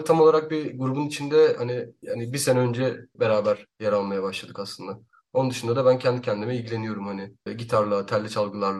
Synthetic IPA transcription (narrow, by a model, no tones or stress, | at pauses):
t̪ʰamo̞lˠaɾak̚biɡuɾubunit͡ʃʰind̪ɛhanianibise̞nɛø̞nd͡ʒɛbe̞ɾaːbæɾ̥jaɾalˠmajabaʃlˠad̪ɯkasˠɯnd̪a | o̞nund̪ɯʃund̪ad̪abæncʰɛnd̪icʰɛnd̪imɛilʲɟilʲe̞nijo̞ɾumhanɪɟit̪ʰaɾlˠat̪ʰælʲːit͡ʃʰalˠɡɯlˠaɾlˠ